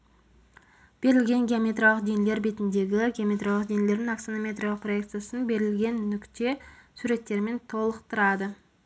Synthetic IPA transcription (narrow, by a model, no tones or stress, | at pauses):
b̥e̞ɾɪlɡʲe̞ŋɡʲeomʲe̞t̪rolˠəqd̪enele̞ɾbet̪ɪnd̪e̞ɡʲɪɡʲeomʲe̞t̪rolˠəq̚d̪enele̞ɾd̪ɪŋaksnomʲe̞t̪rolˠəqproe̞kt̪sɨjasənbe̞ɾɪlɡʲe̞nːʏkt̪e̞suɾe̞t̪ːe̞ɾme̞nt̪ʰo̞lˠəqt̪əɾɑd̪ə